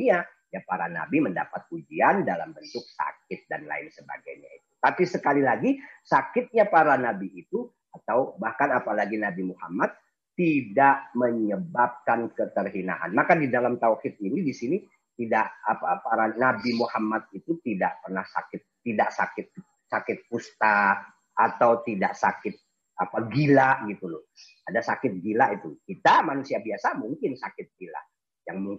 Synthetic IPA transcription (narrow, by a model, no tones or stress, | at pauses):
a | japaɾana̰bimənda̰pat̪̚ud͡ʒiandala̰mbənt̪ʊk̚sa̰k̚ɪt̪̚da̰nla̰ɪ̰nsəba̰ɡa̰jɲa̰it̪u̥t̪apisəkalilaɡisakɪt̪̚ɲapaɾanabiːt̪u | at̪awbahkanapalaɡinabimuha̰mat̪ː | idaʔməɲəbap̚kankət̪ərɦina̰ʔa̰nmakadidalamt̪auwhɪt̪̚inidisini | t̪idaʔapapaɾanabimuhamat̪̚it̪ut̪idaʔpərnahsa̰kɪt̪̚ːidaʔsakɪt̪̚ | sakɪt̪̚pust̪a | ʔat̪awt̪idaʔsakɪt̪̚ | apaɡilaʔɡit̪ulʊh | adasakɪt̪̚ɡilaʔit̪ukit̪amanusiabiasamuŋkɪnsakɪt̪̚ɡila̰ | jaŋmuŋ